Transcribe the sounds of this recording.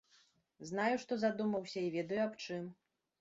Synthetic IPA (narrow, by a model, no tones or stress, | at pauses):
znajuʂt̪ɔzad̪umɐwsʲɐivʲɛd̪ɐjuapt͡ʂɨm